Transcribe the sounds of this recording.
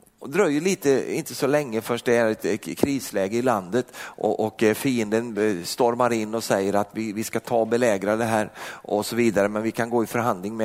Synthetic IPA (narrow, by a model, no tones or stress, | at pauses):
ɔd̪ɾœːɾjɵliːt̪əɪnt̪əsɔlɛŋːəfœʂʈ̚d̪ɛæɾɛt̪kʰɾiːslɛːɡəɪland̪ət̪ʔɔ̰ʔɔkfiːənd̪ənst̪ɔɾmaɾɪnːɔsɛjːəɾat̪vɪvɪskat̪ʰɑːbɛlɛːɡɾad̪ɛɦæːɾɔsɔviːd̪aɾəmɛnvɪkʰanɡoːɪfœɾɦand̪lɪŋmɛ